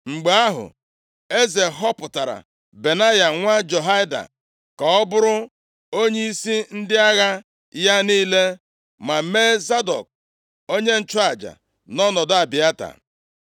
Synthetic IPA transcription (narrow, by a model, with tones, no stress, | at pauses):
ŋ͡m̩˨ɡ͡ba˨a˦ɦʊ̰˨ | e˦ze˨ɦɔ˦pʊ˨ta˨ɾa̰˨ | be˨na˦ja˨ŋʷa˦d͡ʒo˨ɦa˦ɪ˦da̰˨ | ka˨ɔ˦bʊ˦ɾʊ˦ | o˦ɲe˦i˦si˦n̩˦dɪ˦a˦ɣa˦ | ja˦niː˦le˦ | ma˨meː˦za˦dɔ̰˨k̚ | o˦ɲe˦n̩˦t͡ʃa˨d͡ʒa̰˨ | nɔ˦nɔ˨da˨bɪ˨a˦ta̰˨